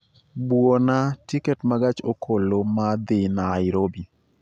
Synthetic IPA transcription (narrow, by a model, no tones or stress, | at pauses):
bwonatikɛtmaɡat͡ʃokʰolomad̪ɪnaɪɾobi